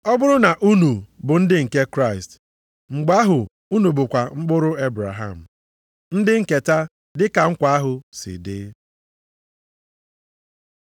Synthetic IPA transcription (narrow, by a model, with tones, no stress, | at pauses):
ɔ˦bʊ˦ɾʊ˦na˨ʔu˦nu˨bʊ˨n̩˦dɪ˦ŋ̩˨ke˦kɾa˦˨ɪ˨st | ŋ͡m̩˨ɡ͡ba˦ɦʊ˨ | u˦nu˨bʊ˨kʷa˨ŋ͡m̩˦k͡pʊ˦ɾʊ˦e˦bɾa̰˨ɦa̰˨m̩˨ | n̩˦dɪ˦ŋ̩˦˨ke˨ta˦ | dɪ˦ka˨ŋ̩˦kʷa˨a˦ɦʊ˨sɪ̰˨dɪ̰˦